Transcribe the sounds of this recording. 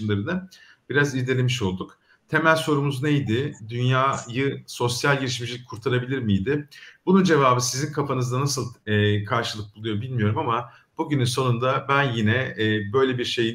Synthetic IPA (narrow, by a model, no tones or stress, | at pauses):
mlˠaɾɯnɯ | b̥iɾazizd̪ʲelʲemiʃo̞lˠd̪uk | t̪ʰe̞mælʲso̞ɾumuzne̞jd̪ɪd̪ynjaːjɯso̞sjalʲɟiɾiʃmid͡ʒlʲic̚ʲkʰuɾt̪ʰaɾabilʲiɾmijd̪ɪbunund͡ʒe̞vaːbɯsizinkʰafanɯzd̪anasɯlˠːkʰaɾʃɯlˠɯk̚bulˠujo̞bilʲmijo̞ɾumama | b̥uɟynynso̞nund̪abænjinɛːbø̞jlʲe̞biɾʃe̞ji